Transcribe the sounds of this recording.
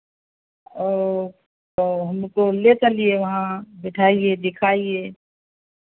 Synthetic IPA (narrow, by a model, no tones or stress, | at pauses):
ɔː | oɦəmkolet͡ʃɐlijeʋɐɦãbɪʈʰaːied̪ɪkʰaːie